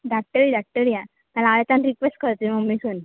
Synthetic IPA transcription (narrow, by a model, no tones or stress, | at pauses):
ɖak̚ʈəɾiɖak̚ʈəɾija | malaaɭet̪anɾikʋesʈkəɾt̪ːimɔmːisun